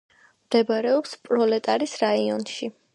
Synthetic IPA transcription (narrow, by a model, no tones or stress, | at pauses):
md̪̥ɛbaɾɛɔpspʼɾɔlɛt̪ʼaɾisɾaiɔnʃi